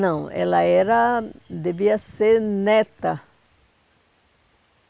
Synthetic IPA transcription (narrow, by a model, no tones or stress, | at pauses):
nɐ̃w̃ɛ̰lɐɛɾɐd̪eviɐseɾnet̪ɐ